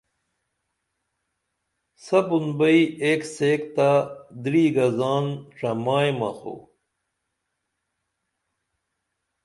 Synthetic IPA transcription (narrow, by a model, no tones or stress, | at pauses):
sɐbunbɐieːkseːkt̪ad̪ɾiːɡɐzaːnʈ͡ʂɐmaːjmɐ̰xo̰